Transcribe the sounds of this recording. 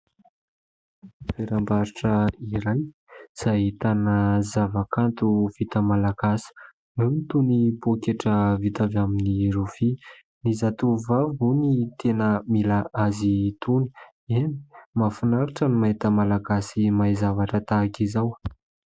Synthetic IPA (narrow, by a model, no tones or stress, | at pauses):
feɾambaɾiʈ͡ʂəiɾaj | z̥aɦit̪anəzavakʰant̪uv̥it̪əmalaɡasi̥ | numit̪unipokeʈ͡ʂəvit̪avaminiɾuvi | nizat̪uvavunit̪ʰenəmilaazit̪uni̥ | eni̥mafunaɾiʈ͡ʂənimait̪əmalaɡasimajzavaʈ͡ʂət̪akizaw